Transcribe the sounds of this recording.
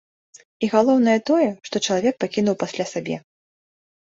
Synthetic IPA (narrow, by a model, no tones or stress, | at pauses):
iɣalˠɔwnɐjɐt̪ɔjɛʂt̪ɔt͡ʂɐlˠavʲɛk̚pakʲin̪uwpasʲlʲasabʲɛ̰